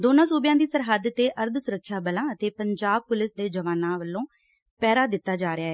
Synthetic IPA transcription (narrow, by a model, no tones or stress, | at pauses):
d̪oːnãːsuːbɪjãːd̪iːsəɾɦəd̪t̪eːʔəɾd̪ʱsʊɾəkʰːjaːbəlãːət̪eːpəɲd͡ʒaːb̚pʊlɪsd̪eːd͡ʒəʋaːnãːʋəlːõː | pɛːɾaːd̪ɪt̪ːaːd͡ʒaːɾɪaːɦɛː